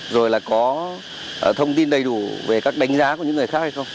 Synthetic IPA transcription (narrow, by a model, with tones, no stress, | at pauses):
zo˨˩jlaː˨˩kɔ˨˦˨ | t̪ʰə˧wŋ͡mt̪i˧nɗə˧jɗu˧˩ve˨˩kaː˦˥k̚ɗa˨˦ŋ̟zaː˨˦ku˧˩ɲɨ̰˧˥ŋɨ˨˩əjxaː˦˥k̚ha˧jxə˧wŋ͡m